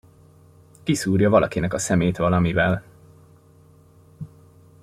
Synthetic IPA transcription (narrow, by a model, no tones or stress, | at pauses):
kisuːrjɒvɒlɒkinɛkɒsɛmeːt̪ʋɒlɒmivɛl